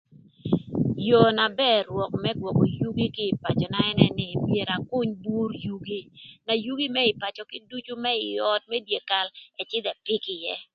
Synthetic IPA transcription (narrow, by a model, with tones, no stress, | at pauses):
jo˨na˨bɛ˦˨ɾwɔ˨kmɛ˦ɡwɔ˨kɔ˨ju˦ɡi˦kɪː˦˨pa˨t͡ʃɔ˨na˦ɛ˦nɛ˦nɪ˨mje˨ɾa˨kʊ˦ɲbu˦ɾju˦ɡi˦na˨ju˦ɡi˦mɛ˦ɪ˨pa˨t͡ʃɔ˨kɪ˦du˦t͡ʃu˦mɛ˦ɪ˨ɔ˦t̚mɛ˦dje˨ka˦lɛ˨t͡ʃɪ˦d̪ɛ˨pɪ˦kɪ˨jɛ˦